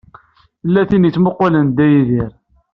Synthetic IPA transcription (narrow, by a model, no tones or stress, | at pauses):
θlːæθinit͡sːməqwælənd̪æjiðiɾ